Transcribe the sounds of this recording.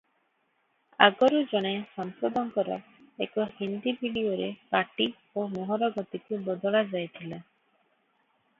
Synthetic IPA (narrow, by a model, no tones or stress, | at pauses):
a̰ɡɔɾud͡ʒɔɽ̃esɔmsod̪ɔŋkɔɾɔ̰ | ekɔhind̪ibʱiɖioɾepaʈi | omoɦɔɾɔɡɔt̪ikubɔd̪ɔɭad͡ʒajt̪ʰila